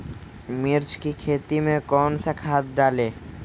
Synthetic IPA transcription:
miɾt͡ʃkikʰet̪imekɔnsakʰat̪̚ɖale

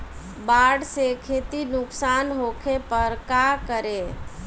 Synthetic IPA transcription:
baɽsekʰet̪inuksanɦokʰepəɾkakəɾe

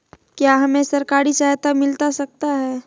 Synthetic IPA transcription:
kjaːɦɐmẽsɐɾkaːɾisaɦt̪amɪlt̪asɐk̚t̪aɦɛː

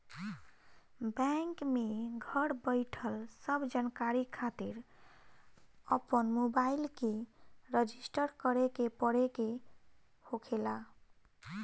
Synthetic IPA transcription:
bɛŋkmeɡʱəɽbəjʈʰəlsəbʱd͡ʒankaɾikʰat̪iɾ | əpənmobailkeɾəd͡ʒisʈəɾkəɾekepəɽeke | hokʰela

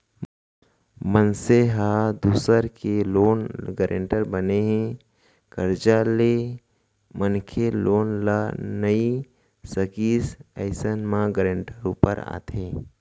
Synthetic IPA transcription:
mənseɦaːd̪uːsəɾkeloːnɡəɾʔḛ̃ːɳʈəɾbəneɦɛ̃ | kəɾd͡ʒale | mənkʰeloːnlanəi | səkiːsɛɪsənmãɡəɾẽɳʈəɾuːpə̰ɾa̰ːt̪ɦẽː

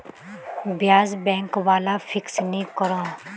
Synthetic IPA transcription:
bjaːzbɛ̃ːŋkʋaːlafʰɪksnĩkəɾãː

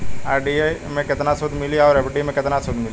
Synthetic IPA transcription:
aːɾɖiemẽkɪt̪nasʊd̪ʱmɪliɔːɾɛpɖimẽkɪt̪nasʊd̪mɪl

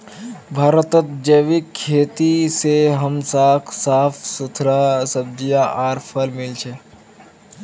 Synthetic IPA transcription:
bʱaːɾət̪ət̪̚d͡ʒəʋɪkʰːeːt̪iseɦəmsaːkʰsaːfʰsut̪ʰɾasəb̚d̪ijaʔaːɾpʰəlmɪlt͡ʃʰe

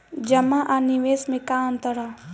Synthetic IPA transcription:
d͡ʒɐmaʔaniʋeːsmẽkaə̃nt̪əɾaː

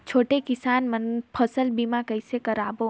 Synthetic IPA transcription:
t͡ʃʰoːʈekɪsaːnmənpʰəsəlbimãkəɪsekəɾaːbo

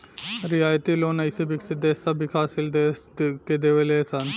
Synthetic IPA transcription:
ɾiaːjt̪iloːnɐjsebɪksɪt̪̚d̪eːsɐbʱikʰaːsɪld̪eːsked̪eʋeleːsan

